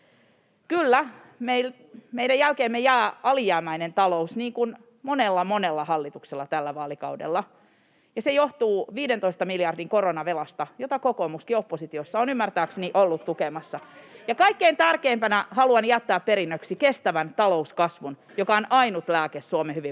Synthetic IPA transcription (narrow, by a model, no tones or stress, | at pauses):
kylːæ | meil | meidæjælkeːmːejæːɑlijæːmæinent̪ɑlousniːŋkun | monelːɑmonelːɑhɑlːit̪ukselːɑt̪ælːæʋɑːlikɑ̰udḛlːɑ | jɑsejoht̪uːʋiːdent̪oist̪ɑmiljɑrdiŋkoronɑʋelɑst̪ɑjot̪ɑkokomuskiopːosit̪iosːɑonymːært̪æːksniʔolːut̪t̪ukemɑsːɑjɑkɑikːeint̪ærkeːmpænæhɑluɑnjæt̪ːæːppeɾinːøksikest̪æʋænt̪ɑlouskɑsʋun | jokɑonɑinut̪læːkessuomehyʋi